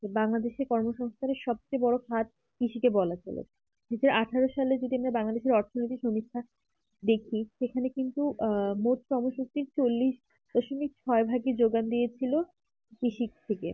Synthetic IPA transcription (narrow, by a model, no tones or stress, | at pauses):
baŋlad̪eʃeɾkɔɾmoʃɔŋst̪ʰaneɾʃɔb̚t͡ɕebɔɽokʰat̪̚ | kɾiʃikebɔlat͡ɕḛlo̰ | d̪it͡ɕʰeɾaʈʰaɾoʃaled͡ʑot̪iamɾabaŋlad̪eʃeɾɔɾt̪ʰonoijt̪̬iʃomit̪ʰːa | d̪ekʰiʃekʰanekint̪umot̪ʃɔmoʃut̪iɾt͡ɕolːiʃ | d̪̥ɔʃomik̚t͡ɕʰɔebʱaɡed͡ʑoɡand̪ijet͡ɕʰilo | kɾiʃik̚t̪ʰekḛ